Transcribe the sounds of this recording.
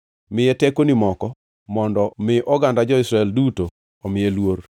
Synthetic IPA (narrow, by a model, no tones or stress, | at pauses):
mɪjetɛkonimɔkɔ | mɔndɔmɪʔɔɡandad͡ʒɔɪsɾaɛlduto | ɔmɪjelwoɾ